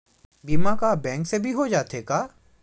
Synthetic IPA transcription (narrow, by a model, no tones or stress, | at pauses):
biːmãkabɛ̃ːŋksebʱiɦod͡ʒaːt̪ekaː